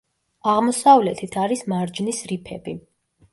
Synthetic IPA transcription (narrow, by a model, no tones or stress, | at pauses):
aʁmɔsavlɛt̪ʰit̪ʰaɾismaɾd͡ʒnisɾipʰɛbi